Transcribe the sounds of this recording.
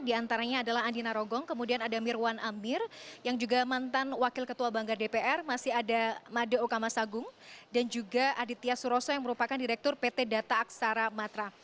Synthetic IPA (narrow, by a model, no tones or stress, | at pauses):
diant̪aɾaɲaːdalaɦandinaɾɔɡɔŋkəmudianadamirwanamɪrjaŋd͡ʒuɡamant̪anwakɪlkət̪uabaŋɡardepeʔɛrmasɪɦadamadoukamasaɡʊŋdand͡ʒuɡaʔadit̪ːiasuɾɔsɔjaŋməɾupakandiɾɛk̚t̪ʊrpet̪edat̪aːksaɾamat̪ɾa